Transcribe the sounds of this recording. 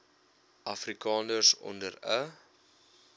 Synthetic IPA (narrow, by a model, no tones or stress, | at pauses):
ʔɐfrikɑːnərsɔ̰ndərə